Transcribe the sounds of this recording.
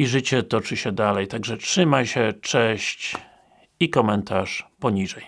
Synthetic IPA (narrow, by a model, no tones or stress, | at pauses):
iʐɘt͡ɕɛt̪ɔt͡ʂɘɕɛd̪alɛjt̪aɡʐɛtʂɘmajɕɛt͡ʂɛɕt͡ɕ | ikɔmɛnt̪aʂpɔɲiʐɛj